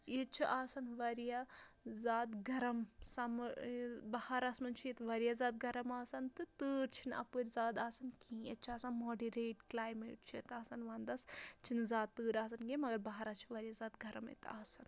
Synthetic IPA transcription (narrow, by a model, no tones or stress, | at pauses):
jet͡ʃʰiʔaːsɐnʋɐɾjazaːd̪ɡɐɾɐmsɐm | bɐhaɾasmɐnt͡ʃʰijet̪ʋɐɾijazaːt̪̚ɡɐɾɐmaːsɐnt̪ɨt̪ɨːɾt͡ʃʰinɐ̰pɨɾʲzaːd̪aːsɐnkĩːjḛt͡ʃʰiaːsɐnmoːɖiɾeːʈklaːjmḛːʈ̚t͡ʃʰet̪aːsɐnʋaːnd̪ɐst͡ʃʰinɨzaːd̪ːɨːɾaːsɐnɡemɐɡɐɾbɐɦaɾat͡ʃʰiʋɐɾijazaːt̪ɡɐɾɐmḛt̪aːsɐn